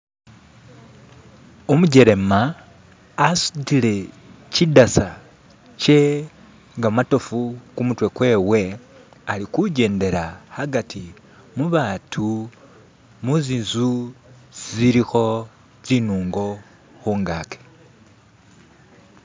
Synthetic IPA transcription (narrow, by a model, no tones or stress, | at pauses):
omuɟe̞ɾe̞maː | su̥tile̞ | cidasa | ce̞ | ŋɡamato̞fukumutwe̞kwe̞ːwe̞alikuɟeːnde̞ɾahaɡatʰi | muβaːtʰu | muziːnzu | z̥iɾixo̞ | zinuːŋɡo̞ | xuːŋɡaːke̥